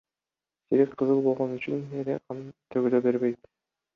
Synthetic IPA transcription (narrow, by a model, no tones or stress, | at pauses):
siɾekqʰɤzɯlˠbo̞lˠʁonyt͡ʃynelḛqɑnt̪ʰøɡøløbe̞ɾbejt̪